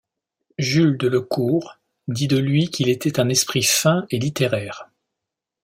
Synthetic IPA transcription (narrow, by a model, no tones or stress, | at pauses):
ʒyld̪ələkʰuːʁ | d̪id̪əlɥikʲilet̪ɛt̪ɛ̃nɛspχifɛ̃elit̪eʁɛːʁ